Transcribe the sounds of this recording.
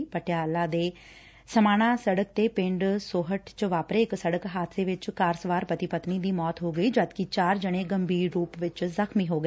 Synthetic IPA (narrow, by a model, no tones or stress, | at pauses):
pəʈjaːlãːd̪eː | səmaːñãːsəɽəkt̪eːpɪɳɖsoːɦəʈt͡ʃʋaːpɾeːksəɽəkɦaːt̪ʰeːʋɪt͡ʃkaːɾsʋaːɾpət̪iːpət̪niːd̪iːmɔːt̪ɦoːɡəiːd͡ʒəd̪kɪt͡ʃaːɾd͡ʒəɽ̃eːɡəmbiːɾɾuːpʋɪt͡ʃzəkʰmiːɦoːɡə